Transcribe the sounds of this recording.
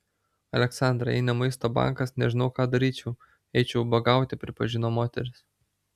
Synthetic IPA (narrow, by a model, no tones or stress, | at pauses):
ɐlʲɛksɑˑnd̪ɾɐɛ̰ɪnɐmɐɪst̪oːbɑ̰ŋkɐsnʲɛʒʲɪnɐʊkɑːd̪ɐɾʲiːt͡ʃʲɛʊ | ɛɪt͡ʃʲɛʊbɐɡɑˑʊt̪ʲɪpʲɾʲɪpɐʒʲɪnoːmoːt̪ʲɛɾʲɪs